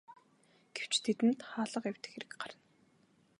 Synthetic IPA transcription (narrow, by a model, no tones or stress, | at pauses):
ɡ̥ew̥t͡ɕt̪ʰet̪ɘ̆nt̪χaːɮə̆qew̥ʲt̪ɘ̥̆xeɾɘ̆kɢaɾə̆n